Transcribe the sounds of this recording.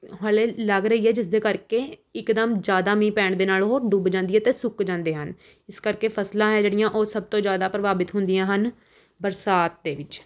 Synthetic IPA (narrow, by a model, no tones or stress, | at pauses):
ɦaːleːləɡɾəɦiːɦɛːd͡ʒɪsd̪eːkəɾkeːɪkd̪əmd͡ʒjaːd̪aːmĩːpɛːɳd̪eːnaːloɦoːɖubd͡ʒãːnd̪iːɦɛːt̪eːsʊkd͡ʒãːnd̪eːɦən | ɪskəɾkeːpʰəslãːɦɛːd͡ʒeːɽɪjãːʔoːsəb̚t̪õːd͡ʒjaːd̪aːpɾəʋaːbɪt̪ɦʊnd̪ɪjãːɦən | bəɾsaːt̪̚d̪eːʋɪt͡ʃ